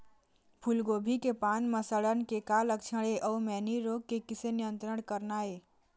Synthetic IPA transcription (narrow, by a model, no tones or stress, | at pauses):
pʰulɡoːbʱikepaːnməsəɽənkekaːləkt͡ʃʰəɽeʔɔːmɛːniɾoːɡ̚kːekɪsenɪjə̃nt̪ɾəɽkəɾnaːeː